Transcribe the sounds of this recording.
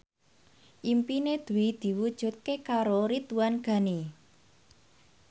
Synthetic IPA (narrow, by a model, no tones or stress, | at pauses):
ʔimpined̪̥ṳid̪̥i̤wud̥ʒ̥ṳt̪̚kekaɾoɾit̪uanɡ̥ä̤ni